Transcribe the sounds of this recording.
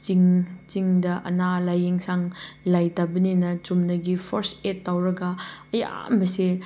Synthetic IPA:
t͡ʃiŋt͡ʃiŋdɐʔɐ̰nalajeŋsaŋlajtabɐninɐt͡ʃumnɐɡipʰoɾsetːawɾɐɡɐɐja̰mbɐse

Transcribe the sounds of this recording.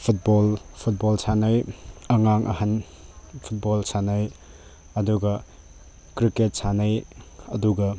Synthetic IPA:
pʰut̚bolpʰut̚bolsanɐjɐŋaŋʔɐ̰hɐn | pʰut̚bolsanɐj | ɐduɡɐ | kɾiket̚sanɐjɐduɡɐ

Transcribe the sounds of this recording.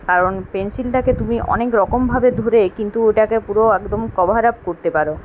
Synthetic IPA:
kaɾonpensilʈaket̪umiʔɔ̰nekɾɔkombʱabed̪ʱoɾekint̪ueʈakepuɾoɛkd̪omkɔbʱaɾap̚koɾt̪epaɾo

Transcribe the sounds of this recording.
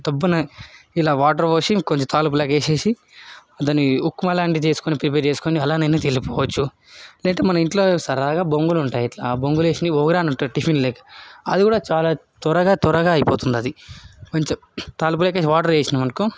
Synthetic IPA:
t̪ɐbːunɐilaːʋaːʈ̬ɐɾʋoːsikoɲt͡ʃet̪aːlup̬uleːkeːse̞ːsi | ɐt̪̬ɐnːiukːumɐlaːɳɖit͡ʃe̞ːsu̥konipɾip̬eːɾt͡ʃe̞ːsu̥koːniɐlaːneneːt̪elipɔːʋɐt͡ʃːu | lɛːɐɳʈeːmɐnɐiɳʈlo̞ːsɐɾaːɡaːboŋɡuluɳʈaːjɐʈlaboŋɡule̞ːsind̪iʋoːɡɐɾaːnɐɳʈaːʈifʰinlɛːkɐ̥ɐd̪ikuːɽaːt͡ʃaːlaːt̪ɔɾɐɡaːt̪ɔɾɐɡaːɐjipoːt̪und̪iɐd̪ikoɲt͡ʃɐ | t̪aːlup̬uleːkeːs̬iʋaːʈɐɾʋeːsinɐmɐnɐku

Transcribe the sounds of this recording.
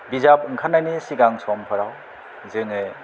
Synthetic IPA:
bizap̚ɯŋkʰanajnisiɡaŋsɔmpʰɯɾaw | zɯŋɯ

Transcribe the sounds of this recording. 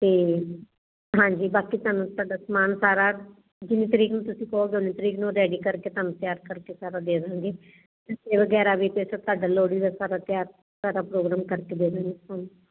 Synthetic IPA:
t̪eː | ɦãːɲd͡ʒiːbaːkiːt̪aːnũːt̪aːɖaːsəmaːnsaːɾaː | d͡ʒɪnːĩːt̪əɾiːknũːt̪ʊsĩːkooːɡʊniːt̪əɾiːknũːɾɛːɖiːkəɾkeːt̪anũt̪ɪjaːɾkəɾkeːsaːɾaːd̪eːɾãːɡeː | t̪eseːʋəɡɛːɾaːʋiːp̪esat̪ʊaːɖaːloːɽiːd̪aːsaːɾaːt̪jaːɾ | saːɾaːpɾoːɡɾaːmkəɾkeːd̪eːdãːɡeːt̪aːnũː

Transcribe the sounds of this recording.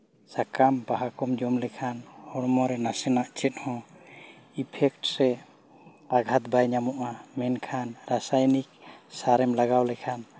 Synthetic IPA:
sakambaɦakɔmd͡ʒɔmlɛkʰanhɔɾmɔɾɛnasɛnaʔt͡ʃɛt̪̚hɔ̃ | ipʰɛk̚ʈsɛ | aɡʱat̪̚bajɲamɔʔamɛnkʰanɾasajnik̚saɾɛmlaɡawlɛkʰan

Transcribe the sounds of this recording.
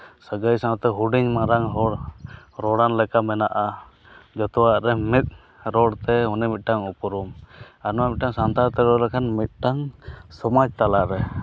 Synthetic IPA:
səɡəjsaat̪ɛɦuɖiɲmaɾaŋɦɔɽ | ɾɔɽanlɛkamɛnaʔa | d͡ʒɔt̪ɔwaʔɾɛmit̪̚ | ɾɔɽt̪ɛunɛmit̪̚ˀʈaŋupɔɾumanɔwamit̪̚ʈaŋsant̪aɾt̪ɛɾɔlɛkʰanmit̪̚ʈaŋsɔmad͡ʒt̪alaʔɾɛ

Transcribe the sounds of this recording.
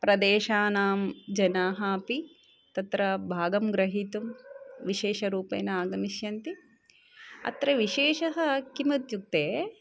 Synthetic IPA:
pɾɐd̪eːʃaːnaːmd͡ʒɐnaːɦɐɐpi | t̪ɐt̪ɾɐbʱaːɡɐmɡɾɐɦit̪umʋiʃeːʃɐɾuːpḛːnɐaːɡɐniʃjɐnt̪i | ɐ̰t̪ɾɐʋiʃeːʃɐɦɐkimɐt̪juk̚t̪eː

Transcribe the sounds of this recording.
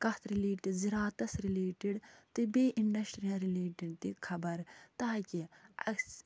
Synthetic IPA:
kɐt̪ʰɾileːʈiɖziɾaːt̪ɐsɾileːʈiɖt̪ibeːʔiɳɖɐsʈɾijãːɾileːʈiɖt̪ikʰɐbɐɾt̪aːkʲiɐ̰

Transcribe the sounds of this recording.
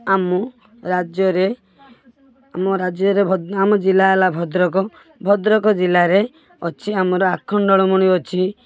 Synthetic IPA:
amɔ | ɾad͡ʒjɔɾe | amɔɾad͡ʒjɔɾebʱɔd̪amɔd͡ʒilaelabʱɔd̪ɾɔkɔ | bʱɔd̪ɾɔkɔd͡ʒilaɾe | ɔt͡ʃʰiamɔɾɔakʰːɔnɖɔɭɔmɔɽ̃iɔt͡ʃʰi

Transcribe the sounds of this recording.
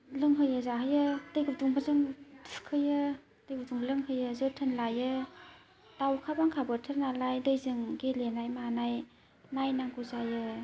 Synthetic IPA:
lɯŋɦɯjɯzaɦɯjɯdɯjɡɯp̚duŋbazɯŋdɯ̥kʰɯjɯ | d̥ɯjɡɯp̚duŋblɯŋɦɯjɯzɯtʰɯnlajɯ | d̥awkʰabaŋkʰabɯtʰɯɾnalajdɯjzɯŋɡelenajmanaj | najnaŋɡuzajɯ

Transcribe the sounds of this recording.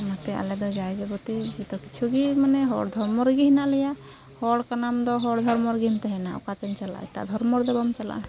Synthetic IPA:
mat̪ɛa̰lɛd̪ɔd͡ʒajd͡ʒɛbɔt̪id͡ʒit̪ɔkit͡ʃʰuɡimanɛɦɔ̰ɽd̪ʱɔɾmɔɾɡiɦnalɛja | hɔɽkanamd̪ɔɦɔɽd̪ʱɔɾmɔɾɡint̪ɛɦɛnaɔ̰kat̪ɛnt͡ʃala̰ɛ̰ʈa̰d̪ʱɔɾmɔɾd̪ɛbɔmt͡ʃala̰

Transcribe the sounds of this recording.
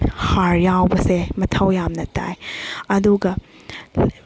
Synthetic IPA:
haɾjawbɐsemɐtʰɐwjamnɐta̰jɐduɡɐ

